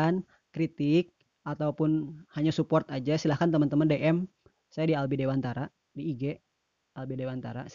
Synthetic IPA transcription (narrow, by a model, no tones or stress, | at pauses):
n | kɾit̪ɪk̚ | ʔat̪aupʊnhaɲasupɔrt̪ad͡ʒasilahkant̪əmant̪əmandeʔɛm | sajadialbidewant̪aɾa | diːɡɛ | albidewant̪a̰ɾa̰